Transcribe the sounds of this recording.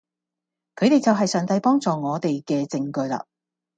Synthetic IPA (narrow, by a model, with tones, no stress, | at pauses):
kʰɵ˨˧ɥt̪e˨jt͡sɐ˨wɦɐ˨jsœː˨ŋt̪ɐ˧jpɔː˥ŋt͡sɔː˨ŋɔː˨˧t̪e˨jkɛː˧t͡sɪ˧ŋkɵ˧ɥla̰ː˧˨